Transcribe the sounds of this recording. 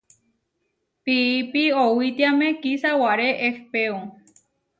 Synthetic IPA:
piipiowit̪iamẽkisawaɾeʔefpeo

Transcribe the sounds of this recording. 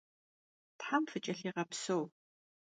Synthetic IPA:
tħamfɨt͡ʃʼɐɬiːʁɐpsow

